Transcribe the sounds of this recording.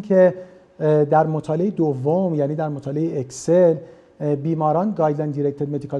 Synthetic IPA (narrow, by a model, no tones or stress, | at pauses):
kʰe | d̪æɾmot̪ʰɒːle̞ed̪ovːomjæːniːd̪æɾmot̪ʰɒːleeeksel | biːmɒːɾɒːnɡɒːjd̪lænd̪iɾek̚t̪ʰeɾme̞d̪ikʰɒ